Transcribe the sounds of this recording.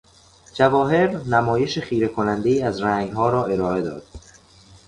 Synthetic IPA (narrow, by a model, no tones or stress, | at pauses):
d͡ʒævɒːɦe̞ɾnæmɒːje̞ʃeχiːɾe̞kʰonænd̪e̞iːæzɾæːŋɡhɒːɾɒːʔe̞ɾɒːe̞d̪ɒ̰ːd̪̥